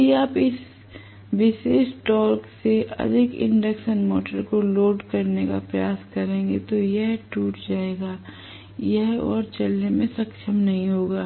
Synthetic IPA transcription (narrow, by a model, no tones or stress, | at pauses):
iaːpɪs | ʋɪʃeːʃʈɔːɾkseʔɐ̰d̪ʱɪkɪ̰̃ɳɖəkʃənmɔ̰ːʈəɾkoloːɖkɐɾneka̰pɾɐjaːskɐɾẽːŋ̆ɡet̪ojɛɦʈuːʈd͡ʒaːeːɡaː | jɛɦɔ̰ːɾt͡ʃɐlnemẽsɐkʃəmnɐɦĩɦoːɡaː